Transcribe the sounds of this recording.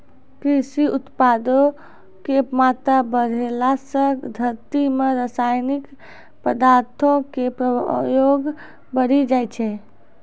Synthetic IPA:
kɾisiʔut̪pad̪o | kemat̪ɾabəɽʱelasə̃kd̪ʱəɾt̪imeɾasajnik | pəd̪aɾt̪ʰõkepɾəjoɡ | bəɽid͡ʒajt͡ʃʰɛ

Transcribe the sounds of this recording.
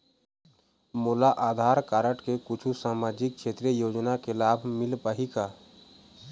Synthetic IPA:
moːlaʔaːd̪ʱaːɾkaːɾəʈkekʊt͡ʃʰusaːmaːd͡ʒɪk̚ʃʰeːt̪ɾijəjoːd͡ʒnakelaːbʱmɪlpəɦikaː

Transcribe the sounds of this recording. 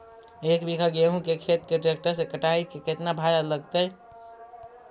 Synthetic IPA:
ekbikʰaɡeɦũkekʰet̪ɾkeɖɾek̚ʈəɾsẽkəʈaikeket̪nabʱaɾaləɡt̪əj

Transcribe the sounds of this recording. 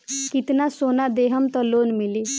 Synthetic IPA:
kɪt̪nasoːnad̪eɦəmt̪ɔloːnmili

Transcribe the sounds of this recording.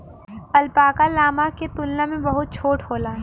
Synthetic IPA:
ɐlpaːkalaːmaket̪ʊlnãmẽbɐɦʊt̪̚t͡ʃʰoːʈɦoːlaː

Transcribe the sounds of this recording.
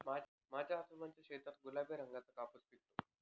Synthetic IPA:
ma | mad͡ʑʱjaɦat̪umaɲt͡ɕjaɕet̪ɾat̪̚ɡulabeɾəŋɡat͡səkapəsp̪it̪o

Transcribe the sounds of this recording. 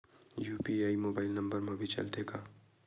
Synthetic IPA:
juːpiaːimoːbaːɪlnɐ̃mbəɾmɐ̃bʱit͡ʃɐ̰ld̪eːɡaː

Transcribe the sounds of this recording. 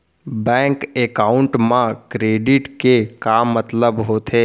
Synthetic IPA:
bɛ̃ːŋkekaːʊɳʈmãkɾeːɖɪʈkekaːmːət̪ləbɦot̪ʰeː

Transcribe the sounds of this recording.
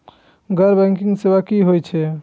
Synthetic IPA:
ɡəɾbɛ̃ŋkiŋɡsebakiɦojt͡ʃʰɛ

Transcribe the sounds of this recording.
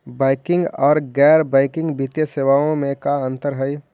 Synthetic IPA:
baːɪkɪ̃ŋɡɔːɾɡɛːɾbaɪkɪ̃ŋɡbɪt̪jəseːʋaːõmẽkaɐ̃nt̪əɾɦəi

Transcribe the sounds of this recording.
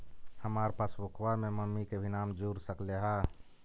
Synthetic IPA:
həmaːɾpaːsʋʊkʰʋamẽməmːikebʱinaːmd͡ʒuːɾsəkleɦaː

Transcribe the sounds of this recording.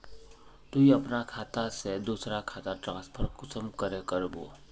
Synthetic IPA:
t̪uiɐpnakʰaːt̪ased̪uːsɾakʰaːt̪aʈɾãːspʰəɾkʊsəmkəɾekəɾbo̰ː

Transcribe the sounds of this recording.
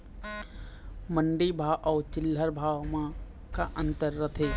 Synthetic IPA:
məɳɖibʱaːʔɔːt͡ʃɪlːəɾbʱaːʋmã | kaʔə̃nt̪əɾːɐt̪ʰeː

